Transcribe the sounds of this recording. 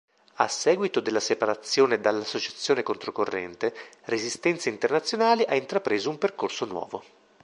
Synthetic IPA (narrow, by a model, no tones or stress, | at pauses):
a̰sːɛːɡwit̪od̪elːasepaɾat̪sːjoːned̪alːasːot͡ʃat̪sːjoːnekont̪ɾokorːɛ̰nt̪erezist̪ɛnt̪seint̪ernat̪sːjonaːliʔaint̪ɾapɾeːzoumperkorsonwɔ̰ːvo